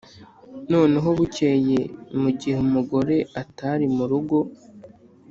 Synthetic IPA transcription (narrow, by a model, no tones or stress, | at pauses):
no̞ːne̞ɦo̞βuceje̞muɟihemuɡo̞ɾe̞ʔataɾimuɾuɡo̞